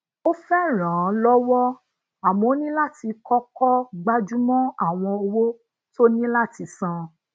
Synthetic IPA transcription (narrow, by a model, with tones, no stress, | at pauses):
o˦fɛ˦˨ɾ̃ã˨˦lɔ˦wɔ˦ | a˨mɔ̃˨˦nĩ˦la˦ti˧kɔ˦kɔ˦ɡ͡ba˦d͡ʒu˦mɔ̃˦a˦˨w̃ɔ̃˧o˧wo˦ | to˦nĩ˦la˦ti˧sã˧